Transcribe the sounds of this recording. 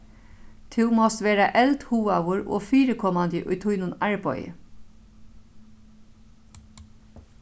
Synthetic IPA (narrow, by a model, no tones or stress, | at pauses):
t̪ʰɪʊmɔst̪ʋeːɾaʔɛlt̪huːawʊɹo̰ːfiːɾəkʰɔmand̪ɪʔʊjt̪ʰʊjnʊnɑɹbɔ̰ʏə̰